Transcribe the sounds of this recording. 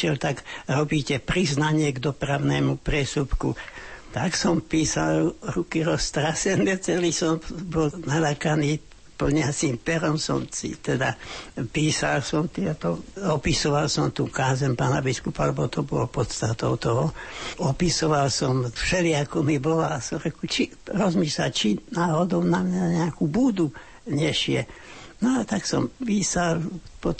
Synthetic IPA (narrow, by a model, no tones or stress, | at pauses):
ʃɪɛlt̪aɡɾɔbiːcɛpɾiznaɲɪɛɡd̪ɔpɾaʊnɛːmupɾɪɛsupkut̪aksɔmpiːsalɾukiɾɔst̪ɾasɛnʋɛt͡sɛlisɔmbɔlnalakaniː | pɔd̪ɲɛasimpɛɾɔmsɔ̰msḭt̪ɛd̪apiːsalsɔmt̪ɪɛt̪ɔɔpisɔʋalsɔmt̪ṵːkaːzɛmpaːnabiskupalɛbɔt̪ɔbɔ̰lpɔt̪st̪at̪ɔʊt̪ɔɦɔɔpisɔʋalsɔmfʃɛlɪakɔmibɔlaasɔmɾɛkut͡ʃi | ɾɔzmiʃla̰t͡ʃinaːɦɔd̪ɔʊnamɲaɲɛakubuːd̪u | ɲɛʃɪɛ | nɔaɛt̪aksɔ̰mpiːsalpɔt̪